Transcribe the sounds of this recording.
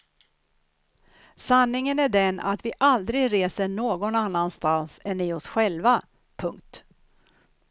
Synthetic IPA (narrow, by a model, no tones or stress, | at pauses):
sanːɪŋənæɖɛna̰t̪vɪʔald̪ɾɪɡɾeːsəɳoːɡɔnanːanst̪ansɛnːɪɔsɧɛlva | pʰɵŋk̚t̪